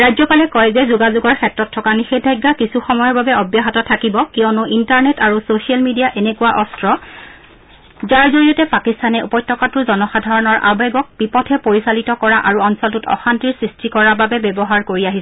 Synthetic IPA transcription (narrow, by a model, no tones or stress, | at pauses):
ɹajzɔpalɛkɔjzɛzuɡazuɡɔɹkʰɛtɹɔtʰːɔkanixedʱajɡːakisuxɔmɔjɔɹbabɛɔbjaɦatɔtʰakibɔkiɔnʊʔintaɹnɛtaɹusosialmidijaʔenekuwaʔɔstɹɔ | zaɹzoɹijɔtɛpakistanɛupɔjtːɔkatʊɹzɔnɔxadʱaɹɔnɔɹʔa̰bɛɡɔk̚b̥ipɔtʰɛpoɹisalitɔkɔɹaʔaɹuɔnsɔltutɔ̰xantiɹsɹistʰikɔɹababɛbɛbɔɦaɹkoɹiaɦisɛ